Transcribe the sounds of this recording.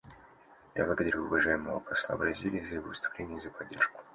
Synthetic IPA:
ja̰blˠəɡəd̪ɐɾʲuʊvɐʐajɪməvəpɐslˠa̰bɾɐzʲilʲɪjəzəjɪvovɪst̪ʊ̥plʲenʲɪjəzəpɐdʲːe̞̰rʂkʊ̥

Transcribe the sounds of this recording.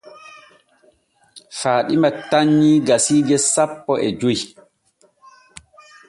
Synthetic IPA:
faːɗimataɲːiːɡasiːɡɛsapːɔʔɛd͡ʒoj

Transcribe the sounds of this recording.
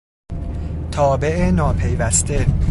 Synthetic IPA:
t̪ʰɒːbe̞ʔenɒːpʰejvæst̪e̞

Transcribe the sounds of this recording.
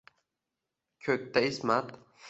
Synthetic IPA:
kʲʰɵk̚ʲt̪ʰːaɪsmat̪

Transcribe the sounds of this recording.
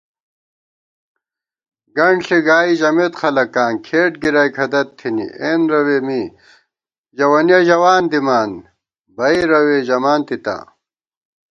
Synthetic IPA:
ɡɐɳɬiɡaːiʑɐmet̪xɐlɐkaːnkʰeːʈɡiɾajkʰɐd̪ɐt̪ʰːinḭʔeːnɾɐweːmi | d͡ʑɐwɐnjɐʑɐwaːnd̪imaːn | bɐiɾɐweːʑɐmaːnt̪it̪a̰ː

